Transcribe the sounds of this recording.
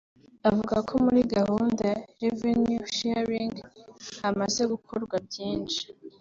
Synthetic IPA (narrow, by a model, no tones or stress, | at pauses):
avuɡakʰo̞muɾiɡahuːndaɾevenjuʃeɾiŋɡhamaze̞ɡukʰoɾɡwabɟiːnʃi̥